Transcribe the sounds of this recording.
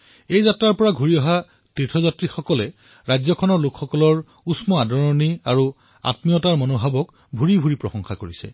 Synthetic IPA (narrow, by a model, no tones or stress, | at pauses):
ejzatɹaɹpɔɹaɡʱuɹiɔɦa | titʰɔzatɹixɔkɔlɛ | ɹajzɔkʰɔnɔɹlokxɔkɔlɔɹ | usmɔadɔɹɔniaɹu | a̰tmiɔtaɹmɔnobʱabɔk | bʱuɹibʱuɹipɹɔsɔŋxakoɹisɛ̰